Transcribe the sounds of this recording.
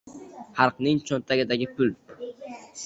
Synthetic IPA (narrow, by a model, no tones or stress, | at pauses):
hɑɾqnɪŋt͡ʃʰont̪ʰaɡʲɪd̪aɡʲɪpʰʊl